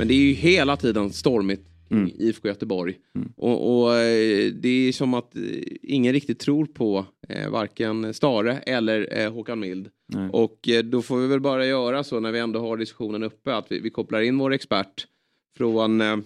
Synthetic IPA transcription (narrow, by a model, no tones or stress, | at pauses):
mɛnd̪ɛæɾjɵɦeːlat̪ʰiːd̪ənst̪ɔɾmɪt̪ | kʰɾɪŋiːfkʰojœt̪əbɔɾj | ʔɔ̰ʔɔ | d̪ɛæʂɔmat̪ɪŋːənɾɪk̚t̪ɪt̚t̪ʰɾuːɾpʰɔva̰ɾkənst̪ɑːɾəʔɛlːəɾɦoːkanmɪld̪ | ʔɔkd̪ɔfoːɾvɪvɛlbɑːɾajœːɾasonæɾvɪɛnd̪oːɦaɖɪskɵ̥ɧuːnənɵpːəat̪vɪ̰vɪkʰɔplaɾɪnːvoːɾɛkspæʈː | fɾoːn